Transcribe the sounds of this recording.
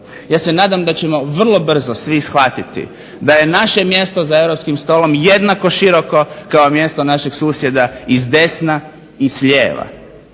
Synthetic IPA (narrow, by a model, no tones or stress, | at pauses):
jaːse̞naːd̪amd̪at͡ɕe̞mo̞ʋr̩lˠo̞br̩zosʋisxʋat̪it̪ḭ | d̪aje̞naʃe̞mje̞st̪o̞zae̞wɾo̞pskimst̪o̞ːlo̞mje̞d̪nako̞ʃiɾo̞ko̞kao̞mje̞st̪o̞naʃeɡsuːsje̞d̪aizd̪e̞sna | isʎḛːʋa̰